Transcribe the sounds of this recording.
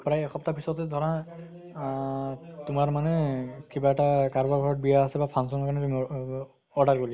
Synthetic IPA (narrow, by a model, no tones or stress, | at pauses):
pɹajɛxɔptapʰisɔtɛdʱɔɹa | tʊmaɹmanɛkibaɛtakaɹbaɡʱɔɹɔt̚bijaːsɛbapʰansɔnɔkanɛtumi | ɔɹdʱaɹɡoli